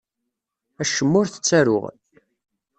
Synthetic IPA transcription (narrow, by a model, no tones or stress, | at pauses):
æʃəmːʊɾθə̥t͡sːæɾʊ̰ʁə̰n